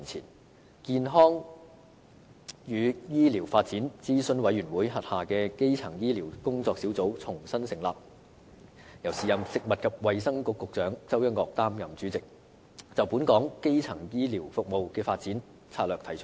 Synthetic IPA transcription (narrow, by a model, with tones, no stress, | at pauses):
i˨˩nt͡sʰḭː˨˩n | kiː˧nɦɔː˥ŋ | jyː˨˧jiː˥li˨˩wfaː˧t̚t͡siː˨˥nt͡siː˥sɵ˧nwɐ˨˥jyː˨˩nwuː˨˥jɦɐ˨t̚haː˨kɛː˧ke˥jt͡sʰɐ˨˩ŋjiː˥liː˨˩wkʊ˥ŋt͡sɔː˧k̚siː˨˥wt͡so˨˥wt͡sʰʊ˨˩ŋsɐ˥nsɪ˨ŋlaː˨p̚ | jɐ˨˩wsiː˨jɐ˨msɪ˨k̚mɐ˨t̚kʰɐ˨p̚wɐ˨jsɐ˥ŋkʊ˨˧kːʊ˨k̚t͡ʃœː˨˥ŋt͡sɐ˥wjɐ˥nkɔː˧k̚t̪aː˥mjɐ˨mt͡syː˨˥t͡sɪ˨k̚ | t͡sɐ˨wpuː˨˥nkɔː˨˥ŋke˥jt͡sʰɐ˨˩ŋjiː˥liː˨˩wfʊ˨k̚mo˨wkɛː˧faː˧t̚t͡siː˨˥n | t͡sʰaː˧t̚lœː˨k̚t̪ʰɐ˨˩jt͡ʃʰɵ̥˥t̚